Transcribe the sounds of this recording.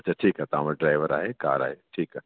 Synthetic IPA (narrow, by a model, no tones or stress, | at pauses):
ɐtːt͡ʃʰaʈʰiːkɦat̪ãməɖɾaːɪʋəɾaːɦeka̰ːɾa̰ːɦeʈʰiːkː